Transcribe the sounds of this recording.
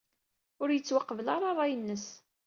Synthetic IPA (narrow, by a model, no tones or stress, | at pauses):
ʊɾjət͡sːwaqːəvəlɑɾˤɑɾˤɑjənːəs